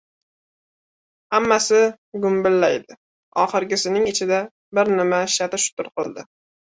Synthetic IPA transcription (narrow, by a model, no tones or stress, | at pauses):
hamːasɪ | ɡʊmbɪlːajd̪ɪ | ɒχɨɾɡʲɪsɪnɪŋɪt͡ʃʰɪd̪a | bɪɾnɪmaʃat̪ɪʃʊ̥t̪ʊɾqɨlˠd̪ɪ